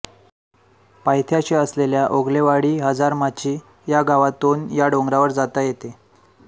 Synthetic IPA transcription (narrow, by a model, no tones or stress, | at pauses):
pajt̪ʰjat͡ɕiəsleljaʔoɡleʋaɽiːɦəd͡zaɾmat͡ɕiː | jaɡaʋat̪onjaɖoŋɡɾaʋəɾd͡zat̪ajet̪e